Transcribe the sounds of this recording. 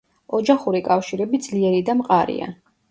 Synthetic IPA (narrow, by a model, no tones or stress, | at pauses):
ɔd͡ʒaχuɾikʼafʃiɾɛbid̪zliɛɾid̪amqʼaɾḭa̰